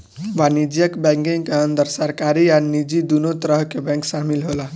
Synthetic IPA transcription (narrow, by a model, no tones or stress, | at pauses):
ʋanid͡ʒjəkbɛŋkiŋkeənd̪əɾsaɾkaɾianid͡ʒid̪unot̪ɾəɦkebɛ̃ŋksamilɦola